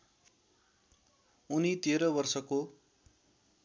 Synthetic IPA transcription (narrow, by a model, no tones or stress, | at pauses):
unit̪eɾʌbʌrsʌko